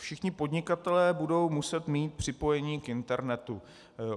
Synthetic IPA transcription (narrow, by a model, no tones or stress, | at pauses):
fʃɪxɲɪpo̞dɲɪkat̪ɛlɛːbudo̞wmusɛt̪miːt̪̚pr̝̥ɪpo̞jɛɲiːkʔɪnt̪ɛɾnɛt̪u